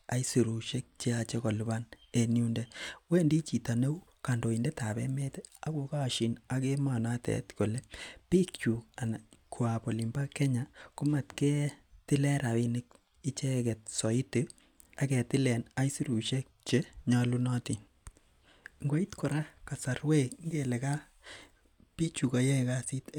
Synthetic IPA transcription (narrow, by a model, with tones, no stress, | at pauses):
a˦i˦si˨ɾu˨ʃe˦k̚t͡ʃe˦at͡ʃe˦kɔ˨lba˦ne˨nju˦ndɛ˦we˦ndi˦t͡ʃi˨ta˨ne˦u˦ | ka˨ndo˨i˨ndɛ˦ta˨bɛ̰˦me˦te˦a˦ko˨ka˦˨ʃi˨na˦ke˦ma˨na˦tɛ̰˨tko˨le˦pi˦kt͡ʃu˨ka˨na˨kʰwa˨pɔ˨li˨mba˦kɛ˦ɲa˨kʊ˦ma˨tkɛ˦tɪ˦lɛ˦ɾa˨wi˦nɪk | i˦t͡ʃɛ˦kɛ˨t̚sɔ˨i˦te˨ | a˦kɛ˨tɪ˦lɛ˨na˦jsi˦ɾu˨ʃe˦k̚t͡ʃe˦ɲa˦lu˦nɔ˦ti˨ | ŋɡo˦i˦tkʰɔ˨ɾa˦ka˨sa˨ɾwe˦ŋɡe˨lɛ˨ka˦ | pi˦t͡ʃu˨ka˨jɛ˦ka˦si˦t